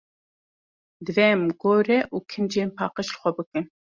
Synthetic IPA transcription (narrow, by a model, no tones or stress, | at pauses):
d̪ɨvɛmɡoːɾɛʔuːkʰɨmd͡ʒeːnpʰɑːqɨʃlɨxʷɛbɨkɨn